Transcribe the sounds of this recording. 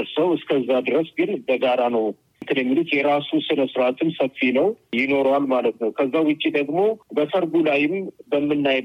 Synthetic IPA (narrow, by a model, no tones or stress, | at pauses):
ɾsəwɨskʰəzːad̪ɨɾəsɡɨnbəɡaɾanəw | nt̪ʰɨnjɛmːilut̪jɛɾasusɨnəsɨɾat̪ʰɨmsəfːinəwjɪno̞ɾwalmalət̪nəwkʰəzːawɨt͡ʃʼːid̪əɡmo̞bəsʰəɾɡulajɪmbəmːɨnːaj